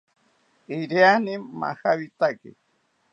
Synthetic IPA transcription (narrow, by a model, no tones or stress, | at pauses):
iɾjanima̰xaβit̪akḭ